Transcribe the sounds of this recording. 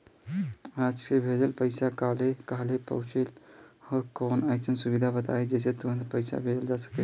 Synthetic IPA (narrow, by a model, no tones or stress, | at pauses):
aːd͡ʒkebʱed͡ʒəlpəɪsakaːlekaɦlepə̰ʊt͡ʃel | ɔːɾkɔːnajkt͡ʃənsubid̪ʱabət̪a̰ed͡ʒɛːset̪uɾə̃nd̪pəɪsa̰bʱed͡ʒəld͡ʒasə̥kɛ